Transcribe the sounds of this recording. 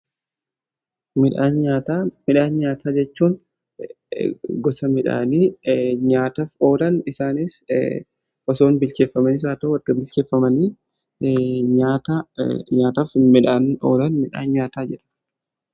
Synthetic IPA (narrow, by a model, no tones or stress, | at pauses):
mɪᶑaːnɲaːt̪aːmɪᶑaːnɲaːt̪ʰaːd͡ʒɛt͡ʃːuːn | ɡɔsɐmɪᶑa̰ːniːɲaːt̪ɐfoːɾɐnɪsaːniːs | ʔɔso̞ːnbɪlt͡ʃeːfːɐmɐniːs̬aːt̪ɐːɐɡɐbɪlt͡ʃeːfːɐmɐniː | ɲaːt̪aɲaːt̪ɐfmɪᶑaːno̰ːɾɐnmɪᶑa̰ːnɲaːt̪aːd͡ʒɛᶑɐ̥